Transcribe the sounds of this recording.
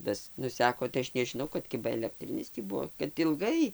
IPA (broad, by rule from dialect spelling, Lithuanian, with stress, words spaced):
ˈtɐs ˈnʊsʲɛkoː tɐɪ ˈɐʃ nʲɛʒʲɪˈnɐʊ kɐt ˈkʲɪbɐ ɛlʲɛkˈtʲrʲɪnʲɪs tʲiː ˈbuɔ kɐt ɪlˠˈɡɐɪ